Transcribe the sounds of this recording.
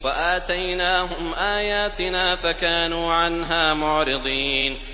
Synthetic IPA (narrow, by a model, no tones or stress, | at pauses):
waʔaːt̪ajnaːɦʊmʔaːjaːt̪ɪnaːfakaːnuːʕanɦaːmʊʕɾɪd̪ˤiːn